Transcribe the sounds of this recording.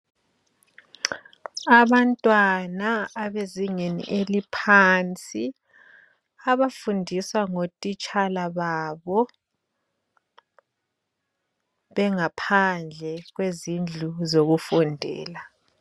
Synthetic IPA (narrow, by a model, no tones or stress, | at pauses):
aβantʼwanaːβeziŋenḭʔelipʰant͡sʼi | aβafundʱiswaŋotʼit͡ʃʼalaβaβɔ | βɛŋapʰand͡ɮʱɛɣwezind͡ɮʱuzoɣufɔndʱɛ̰ːla